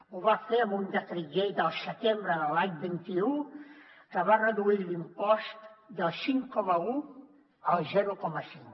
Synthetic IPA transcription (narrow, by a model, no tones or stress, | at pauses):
uβafeəmund̪ət̪ɾiʎejd̪əlˠsət̪embɾəðəlaɲbint̪iu | kəβarəðuilimpɔst̪d̪əlˠsiŋkɔməu | əlˠzɛɾukɔməsiŋk